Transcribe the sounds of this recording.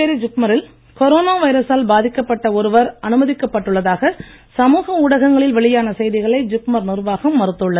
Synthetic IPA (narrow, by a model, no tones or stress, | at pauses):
eɾid͡ʒʊk̚mɐɾɪl | kɔɾoːnaːʋɐɪɾɐsaːlbaːðɪkːɐpːɐʈːɐɔɾɯʋɐɾɐnɯmɐðɪkːɐpːɐʈːɯɭːɐðaːɣɐ | sɐmuːɣɐʊɽɐɣɐŋɡɐɭɪlʋɐɭɪjaːnɐsɛjðɪɣɐɭɐɪd͡ʒʊk̚mɐɾnɪrʋaːɣɐmːɐɾɯt̪ːɯɭːɐ